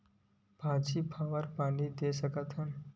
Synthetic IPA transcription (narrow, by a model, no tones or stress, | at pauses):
bʱad͡ʒipʰaʋəɾpaːɳid̪esəkət̪ɦən